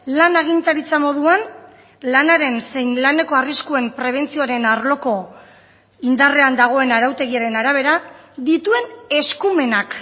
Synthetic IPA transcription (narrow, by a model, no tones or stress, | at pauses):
lanaɣ̞int̪aɾit͡samo̞ðuan | lanaɾe̞nse̞jnlane̞ko̞ariskue̞mpɾe̞β̞e̞nt͡sio̞aɾe̞naɾlo̞ko̞ | ind̪are̞and̪aɣ̞o̞e̞naɾawt̪e̞ɣ̞iaɾe̞naɾaβ̞e̞ɾa | d̪it̪ue̞ne̞skume̞nak